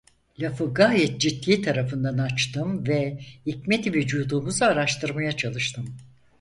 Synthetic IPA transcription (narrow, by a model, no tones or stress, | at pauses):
lʲafɯɡaːjɛt̪̚d͡ʒit̪ːiːt̪ʰaɾafɯnd̪anat͡ʃt̪ɯmvɛhicmɛt̪ved͡ʒuːd̪uːmuzaːɾaʃt̪ʰɯɾmajat͡ʃʰalˠɯʃt̪ʰɯm